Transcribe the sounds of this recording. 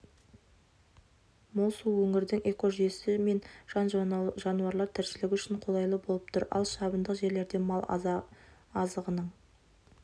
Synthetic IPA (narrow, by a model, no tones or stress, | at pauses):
molˠsuwɵŋɪɾd̪ɪŋe̞ko̞ʒesɪme̞nʒ̥ɑnʒʒɑnuɑɾlˠɑɾt̪ʰɪɾsɪlɪkʲʏʃɪɴqʰo̞lˠɑjlˠəbo̞lˠəp̚t̪ʰʊɾɑ̰lˠʃɑbənd̪əqʒe̞ɾle̞ɾd̪e̞mɑlˠ | ɑzəʁənəɴ